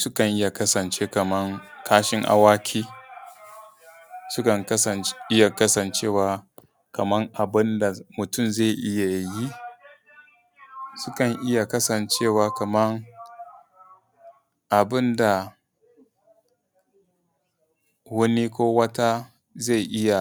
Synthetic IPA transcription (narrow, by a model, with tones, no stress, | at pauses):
sʊ˦kɐ˨ŋʔɪ˦ja˨kɐ˦sɐ˨nt͡ʃeː˦kɐ˨mɐ˦ŋkʰaː˦ʃɪ˦ŋʔa̰˦waː˦kʲʰiː˦ | sʊ˦kɐ˨ŋkɐ˦sɐ˨nʔɪ˦ja˨kɐ˦sɐ˨nt͡ʃeː˦˨waː˦ | kɐ˨mɐ˦ŋʔa˨bɪ˦nda˨mʊ˨tʊ˦˨mza˦˨ʔɪ˦ja˨ji˦ | sʊ˦kɐ˨ŋʔɪ˦ja˨kɐ˦sɐ˨nt͡ʃeː˦˨waː˨kɐ˨mɐ˦ŋ | ʔa˨bɪ˦nda˨ | wɐ˦ni˦kʷoː˦wɐ˦ta˦ | za˦˨jʔɪ˦ja˨